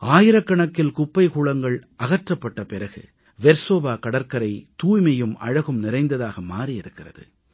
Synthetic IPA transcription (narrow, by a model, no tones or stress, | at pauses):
ʔaːjɪɾɐkːɐɳɐkːɪlkʊpːɐɪkuːɭɐŋɡɐɭʔɐɣɐʈrɐpːɐʈːɐpɪɾɐɣɯ̰ | ʋɛɾsoːbaːkɐɽɐɾkɐɾɐɪt̪uːjmɐjɯmɐ̰ɻɐɣɯmnɪɾɐɪnd̪ɐðaːɣɐmaːɾijɪɾɯkːɪrɐðɯ̰